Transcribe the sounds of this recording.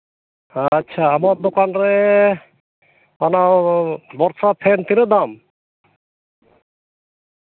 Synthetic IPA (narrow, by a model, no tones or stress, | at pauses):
tːɕʰaamaɾd̪okanɾe | mana | bɔɾsapʰːent̪iɾed̪am